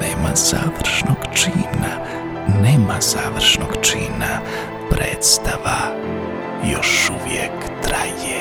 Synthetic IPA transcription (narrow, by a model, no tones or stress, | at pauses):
neːmaz̥aːʋr̩ʃnoɡt͡ʃina | neːmaz̥aːʋr̩ʃnoɡt͡ʃiːna | pɾeːt̪st̪aʋa | joʃuʋjek | t̪ɾaje